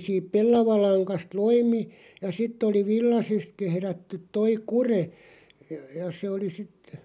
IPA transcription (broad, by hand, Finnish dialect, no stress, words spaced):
siːp pelːɑʋɑlɑŋkɑst loimi jɑ sitː oli ʋilːɑsest kehrætːyt̆ toi kure jɑ se oli sit